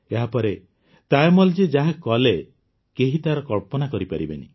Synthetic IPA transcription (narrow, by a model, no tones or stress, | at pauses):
eɦapɔɾe | t̪ajmɔld͡ʒed͡ʒaɦakɔle | keɦit̪aɾɔkɔɭpɔnakɔɾipaɾibḛni